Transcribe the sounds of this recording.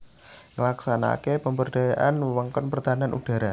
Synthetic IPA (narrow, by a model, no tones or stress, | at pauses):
ŋəlaksana̰kepəmbərɖ̥ajaʔanwəŋkɔnpərt̪ananʔṵɖ̥a̤ɾa